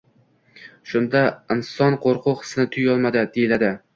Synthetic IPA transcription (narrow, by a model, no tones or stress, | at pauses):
ʃʊnd̪aɪnsɒnqʰoɾqʰʊχɨ̥snɪt̪ʰʊjɒlˠmad̪ɪd̪ejɪlad̪ɪ